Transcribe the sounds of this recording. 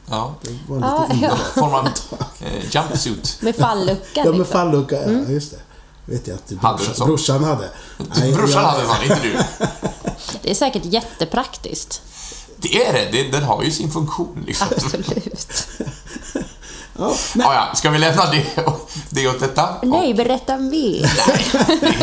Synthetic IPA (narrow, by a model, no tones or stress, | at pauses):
jɑːd̪̥ɛvaːɔɾmant̪jampsʉːt̪mɛfalːɵkːaɑmɛfalːɵkːajɵst̪ɛ | vḛːt̪ja̰t̪hadd̪əɛsɔɾʊʂːanhad̪ːə̰bɾʊʂːanhad̪ːəɛnhad̪əɪnəd̪ʉ | d̪ɛæʂɛːkəʈjɛt̪ːəpʰɾakt̪ɪ̰st̪ | d̪̥ɛæɾɛd̪ɛd̪ɛnɦa̰ɾjʉsɪnfɵŋkɧuːnlɪ̰ksaɔmbmmsɔlʉ̟ːt̪ | ɑːɑːja̰skavɪlɛmnad̪ɛɔd̪ɛɔd̪ɛt̪ːanɛjbɛɾɛt̪ːaɔmvɪnɛ̰